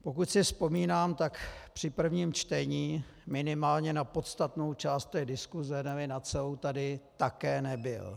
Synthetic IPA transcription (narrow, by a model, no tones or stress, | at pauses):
po̞kut̪sɪspo̞miːnaːmt̪akpr̝̥ɪpr̩vɲiːmt͡ʃt̪ɛɲiː | mɪnɪmaːlɲɛnapo̞t̪st̪at̪no̞wt͡ʃaːst̪t̪ɛːdɪskuzɛnɛvɪnat͡sɛowt̪adɪt̪akɛːnɛbɪ̰l